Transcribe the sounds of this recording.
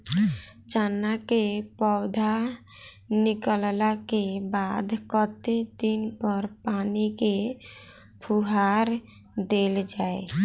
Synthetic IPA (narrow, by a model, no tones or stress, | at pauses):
t͡ʃanːakepɔʊd̪ʱa | nɪkəllakebad̪kət̪ed̪inpəɾpaːnike | pʰuɦaɾ | d̪eld͡ʒaːe